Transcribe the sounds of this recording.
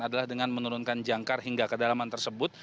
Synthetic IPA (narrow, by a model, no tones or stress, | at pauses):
adalahdəŋanmənuɾʊnkand͡ʒaŋkarɦiŋɡakədalamant̪ərsəbʊt̪̚